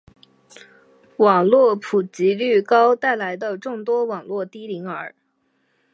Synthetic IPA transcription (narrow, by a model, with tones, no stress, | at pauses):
wɑ˨˩ŋlwɔ˥˩pʰu˨˩t͡ɕi˧˥ly˥˩kɑ˥ʊt̪a˥˩ɪla˧˥ɪd̪ə˧ʈ͡ʂʊ˥˩ŋt̪wɔ˥wɑ˨˩ŋlwɔ˥˩t̪i˥li˧˥ŋə˞˧˥